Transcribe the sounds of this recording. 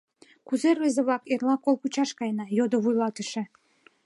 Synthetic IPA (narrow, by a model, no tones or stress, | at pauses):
kuzervezeβɑkerlɑkolkut͡ɕɑʃkɑjnɑjod̪oβujlɑt̪ə̆ʃĕ